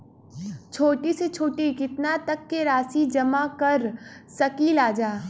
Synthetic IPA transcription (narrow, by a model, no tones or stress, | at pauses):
t͡ʃʰoːʈiset͡ʃʰoːʈikɪt̪nat̪ɐkːeɾaːsid͡ʒɐmakɐɾsɐkiːlaːd͡ʒaː